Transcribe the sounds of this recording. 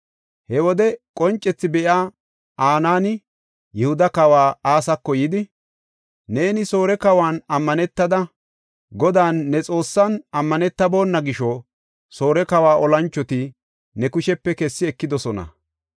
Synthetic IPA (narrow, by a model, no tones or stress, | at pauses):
hɛwɔd̪ɛkʼɔnt͡ʃʼːɛt͡sːɪbɛʔaː | aːnaːnɪ | jɛhʊd̪ɐkɐwaːaːsɐkːɔjɪd̪ɪ | neːnɪso̞ːɾɛkɐwaːnɐmːɐnɛt̪ːɐd̪ɐ | ɡɔd̪aːnːɛt͡sʼo̞ːsːɐnɐmːɐnɛt̪ːɐbo̞ːnːɐɡɪʃɔ | so̞ːɾɛkɐwaːʔɔlɐnt͡ʃːɔt̪ɪ | nɛkʊʃɛpːɛkɛsːɪɛkːɪd̪ɔsɔnɐ̰